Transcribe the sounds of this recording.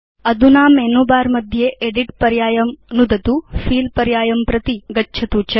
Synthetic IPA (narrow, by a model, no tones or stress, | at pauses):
ɐd̪unaːmeːnuːbaːɾmɐd̪ʱjeʔeɖiʈ̚pɐɾjaːjɐmnud̪ɐt̪ufʰiːlpɐɾjaːjɐmpɾɐt̪iɡɐtːt͡ʃʰɐt̪ut͡ʃʰɐ